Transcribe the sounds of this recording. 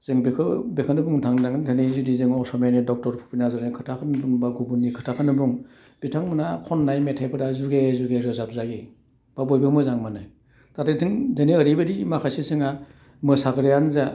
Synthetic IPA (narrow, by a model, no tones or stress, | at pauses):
z̥ɯŋbikʰɯbekʰɯnɯbuŋtʰaŋnaŋntʰanezudizɯŋɔsɔmenidɔk̚tɔɾpʰu̥pʰinazɔɾnikʰɯtʰakʰɯnɯbuŋbaɡubunːikʰɯtʰakʰɯnɯbuŋ | bitʰaŋmɯnakʰɔnːajmetʰajpʰɯɾazuɡezuɡeɾɯzap̚zaɡi | b̥abɔjbɯmɯzaŋmanaj | tatʰɯtʰɯŋzɯneəɾibɯdimakʰasisɯŋa | mɯsakɾejanza